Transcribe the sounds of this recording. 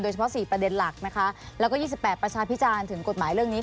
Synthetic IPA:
doː˧jt͡ɕʰa˧pʰɔ˦˥siː˨˩pɾa˧de˧nla˨˩k̚na˦˥kʰa˦˥lɛː˦˥kɔː˥˩jiː˥˩si˨˩pːɛː˨˩t̪̚pɾa˧t͡ɕʰaː˧pʰi˦˥t͡ɕaː˧nt̪ʰɯ˩˦ŋko˨˩t̪̚maː˩˦jɾɯ˥˩əŋniː˦˥

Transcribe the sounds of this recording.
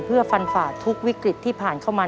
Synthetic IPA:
pʰɯ˥˩ɐfa˧nfaː˨˩t̪ʰu˦˥k̚wi˦˥kɾi˨˩t̪ʰːiː˥˩pʰaː˨˩nkʰa˥˩wmaː˧

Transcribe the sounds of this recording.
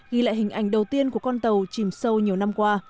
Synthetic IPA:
ɣi˧˩la̰ː˧˨jhï˨˩ŋ̟ʔa˧˩jŋ̟ɗə˨˩wt̪i˧ənku˧˩əkɔ˧nt̪ə˨˩wt͡ɕi˧˩msə˧wɲi˨˩əwna˧mkwaː˧

